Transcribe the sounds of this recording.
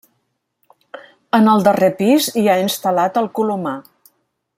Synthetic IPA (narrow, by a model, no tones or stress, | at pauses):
ənəlˠd̪ərepiziainst̪əlat̪əlˠkuluma